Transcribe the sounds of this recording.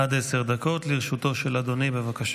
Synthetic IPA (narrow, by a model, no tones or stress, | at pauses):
ad̪eseʁd̪ako̞t̪liʁeʃut̪o̞ʃelad̪o̞nibevakaʃ